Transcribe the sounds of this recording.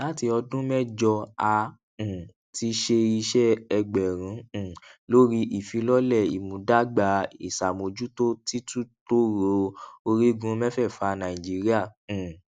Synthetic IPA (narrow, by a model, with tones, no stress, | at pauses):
la˨˦ti˧ɔ˧dũ˦mɛ˦d͡ʒɔ˧a˧ | ũ˨ | ti˧ʃe˧i˧ʃɛ˦ɛ˧ɡ͡bɛ˨ɾ̃ũ˨˦˨lo˦ɾi˦ʔi˦˨fi˨˧lɔ˦lɛ˦˨ḭ˨mũ˨˦da˦ɡ͡ba˨˦ḭ˨sa˨mo˨d͡ʒu˦to˦ti˦tu˦to˦ɾo˧˦o˧ɾi˦ɡũ˧˦mɛ̃˦fɛ˦˨fa˧nã˨ĩ˨d͡ʒi˨˦ɾi˦ã˦˨